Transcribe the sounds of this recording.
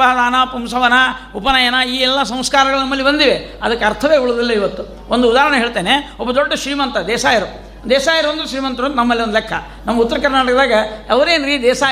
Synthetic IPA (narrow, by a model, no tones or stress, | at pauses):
ɐɐd̪aːnɐpumsɐʋɐnɐupɐnɐjɐnɐiːɛlːɐs̬ɐ̃m̃skaːɾɐɡɐɭunɐmːɐlːibɐnd̪iʋe | ɐ̰d̪ɐkːeɐɾt̪ʰɐʋeːɡuɭud̪ilːɐiʋɐt̪ːu | ond̪uːd̪aːɦɾɐɳɐɦeːɭt̪eːneɔbːɐd̪oɖːɐʃɾiːmɐnt̪ɐd̪ɛːsaːjɐɾu | d̪ɛːsaːjɐɾuɐnd̪ɾuʃɾiːmɐnt̪ɐʋɐnnɐmːɐliond̪lɛkʰːɐ | nɐmːɐut̪ːɐɾɐkɐɾnaːʈɐkd̪aːɡɐɛʋɐɾeːnɾiːt̪d̪ɛːsaː